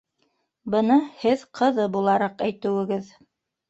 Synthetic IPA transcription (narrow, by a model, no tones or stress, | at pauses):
bɤ̆nɤhɘðqʰɤ̆ðɤbulˠɑɾɑqæjt̪ɘ̆wɘ̆ɡɘð